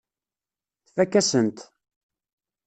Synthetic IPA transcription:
θfækːæsənt̪

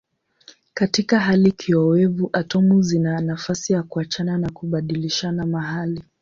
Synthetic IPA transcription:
katikaɦalikʰiɔwɛvuʔatɔmuzinanafasijakuat͡ʃananakuɓaɗiliʃanamaɦali

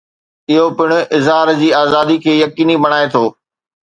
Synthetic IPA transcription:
ɪɦopɪɽ̃ʊ̆ʔɪzɦaːɾd͡ʑiːaːzaːd̪ikʰeːjɐkiːnibɐɽ̃aːet̪ʰoː

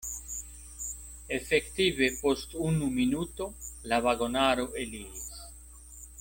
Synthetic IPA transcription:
efekt̪iβepost̪unuminut̪olaβaɣonaɾoʔelies

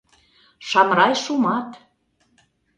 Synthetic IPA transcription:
ʃɑmɾɑjʃumɑt̪

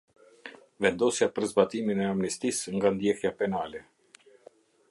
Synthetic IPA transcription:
vɛnd̪ɔsjapəɾzbat̪iminɛamnist̪isŋɡand̪jɛhjapɛnalɛ

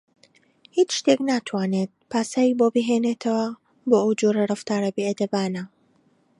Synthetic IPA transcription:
hiːt͡ʃʃt̪eknaːt̪ʰwaːneːt̪̚pʰaːsaːjiːboːbiɦeːnet̪ʰɐwɐ | boːʔɐwd͡ʒoɾɐrɨft̪aːɾɐbied̪ɐbaːnɐ

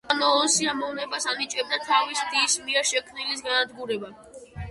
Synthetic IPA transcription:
nɔlˠɔsiamɔvnɛbasanit͡ʃʼɛb̚d̪at̪ʰavisd̪ismiɛɾʃɛkʰmnilisɡanad̪ɡuɾɛba

